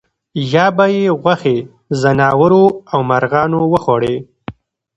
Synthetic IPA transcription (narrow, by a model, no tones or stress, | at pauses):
jɑbajeɣwaxe | zanɑwəɾoawmaɾɣɑːnowəxaɽe